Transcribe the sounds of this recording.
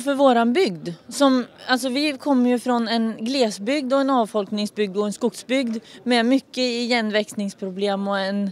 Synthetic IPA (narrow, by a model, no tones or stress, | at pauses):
fœɾvoːɾanbʏɡd̪sɔmals̬ɔvɪkʰɔmːəɾjɵfɾɔnɛnɡleːsbʏɡ̚d̪ɔɛnɑːvfɔlknɪŋsbʏɡ̚d̪ɔɛnskʊksbʏɡd̪mɛmʏkːəɪjɛnːvɛksnɪŋspʰɾʊbleːmɔɛn